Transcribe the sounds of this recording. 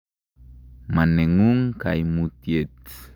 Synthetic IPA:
maneŋuŋkajmut̪jet͡s

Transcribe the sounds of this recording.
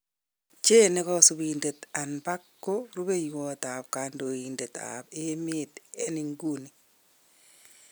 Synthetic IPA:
t͡ʃenekɔsubindetanbakːoɾubejwɔtap̚kandoindeta̰pemitɛniŋɡuni

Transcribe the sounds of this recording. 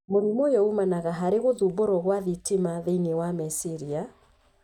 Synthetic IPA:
moɾimojɔumanaɣaɦaɾeɣoðuboɾɔɣwaðitimaðeinewamɛsiɾia

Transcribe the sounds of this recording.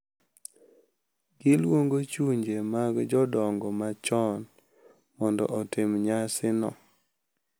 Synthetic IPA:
ɡɪlwoŋɡot͡ʃuɲd͡ʒemaɡd͡ʒɔdɔŋɡɔmat͡ʃɔn | mɔndɔ̰ʔɔtɪmɲasɪnɔ̰

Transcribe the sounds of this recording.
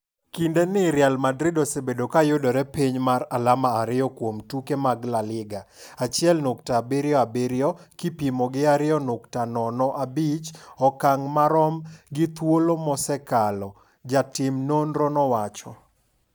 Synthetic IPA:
kindenɪɾjalmadɾɪdɔsebedokajʊdɔɾɛpiɲmaɾalamaːɾɪɔkwomtukemaɡlalɪɡa | at͡ʃɪɛlnoktaːbeɾɪjɔabeɾjɔkipimɔɡɪaɾɪɔnʊktanɔnɔʔabit͡ʃɔkaŋmaɾɔmɡɪt̪wolomɔsɛkalɔ | d͡ʒatɪmnonɾɔnɔwat͡ʃɔ

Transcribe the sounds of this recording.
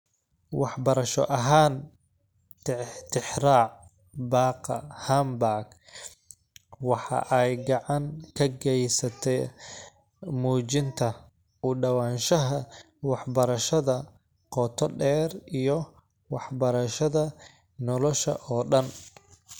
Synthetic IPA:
wɑħbɐɾɐʃɔ̰ʔɐɦaːn | t̪t̪ʰɪħraːʕ | bɑːqɑhambaːɡ | wɑħɑ̰ʔɛjɡɑʕɑŋkʰɐɡɛjsɐt̪ʰɛ | muːt͡ʃɪnt̪ʰɐ | ʊɖɐwaːnʃɐɦɐ | wɑħbɐɾɐʃɐðɐ | qɔt̪ʰɔɗɛːrijɔ | wɑħbɐɾɐʃɐðɐ | nɔlɔʃɐ̰ʔɔːɗɐn

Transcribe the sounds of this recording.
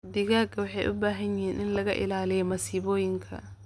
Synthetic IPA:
d̪ɪɣaːɡɐwɑħɑjʔʊbaːɦɐnjɪhiːnʔɪnlɐɣɐ̰ʔɪ̰laːlijɔmɐsiːβɔːjɪŋkʰɐ̰

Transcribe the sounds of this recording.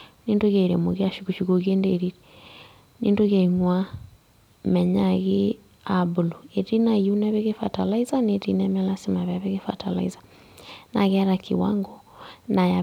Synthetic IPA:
nindoɣeɾemo̰ɣiaʃukuʃukoɣiendeɾiɾɛ | nindoɣeiŋwa | mɛɲaɣe | abuluetinaiunɛβeɣefatalaizanetḭnɛmɛlasimaβjaβeɣefa̰ta̰la̰iza | naɣɛɾakʰḭwa̰ŋɡɔ | naja

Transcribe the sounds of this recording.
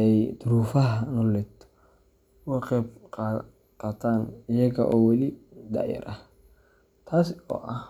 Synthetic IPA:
ɛjd̪ʊɾuːfɐɦɐnɔlɛt̪ʰ | wɑqɛbqː | qaːt̪ʰaːnɪjɐɣɐ̰ʔɔːwɑlid̪ɑ̰ʕjɐ̰ɾʔɐh | t̪ʰaːsɔ̰ːʔɐh

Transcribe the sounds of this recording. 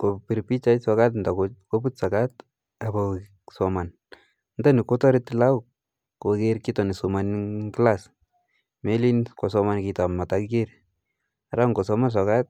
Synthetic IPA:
kopiɾpit͡ʃajsɔkatndakokoputsakat | abɔ | sɔman | ndanikotɔɾitilauk | kokeɾkitɔnisumanklas | melinkosɔmankitammatakikeɾ | aɾaŋɡosɔmans̬ɔkat̚

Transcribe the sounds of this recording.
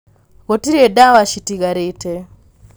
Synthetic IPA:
ɣotiɾedawaʃitiɣaɾete

